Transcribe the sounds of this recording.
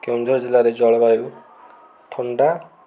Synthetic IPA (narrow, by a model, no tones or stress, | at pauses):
kewnd̪ʱɔɾɔd͡ʒilaɾed͡ʒɔɭɔbaju | t̪ʰɔɳɖa